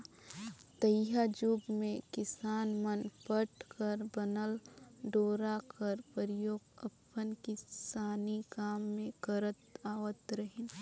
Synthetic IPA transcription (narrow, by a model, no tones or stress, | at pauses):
t̪əjɦad͡ʒuɡmẽkɪsaːnmənpəʈkəɾbənəlɖoːɾakəɾpəɾjoːɡɐpːənkɪsaːnikaːmːẽkəɾət̪aːwət̪ɾəɦɪn